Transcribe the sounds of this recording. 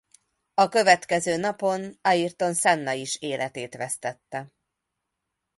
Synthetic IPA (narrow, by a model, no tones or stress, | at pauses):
ɒkø̞vɛt̪kɛzøːnɒpo̞nɒjirt̪o̞nsɛnːɒiʃeːlʔɛt̪eːt̪ʋɛst̪ɛt̪ːɛ